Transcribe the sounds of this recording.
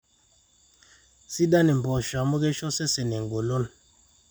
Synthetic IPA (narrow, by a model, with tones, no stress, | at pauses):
si˦da˦ni˨m˨bɔ˨ʃa˨˦mu˦kɛ˦ʃɔ˦sɛ˦sɛ˨nɛ˨ŋ˨ɡo˨lo˦n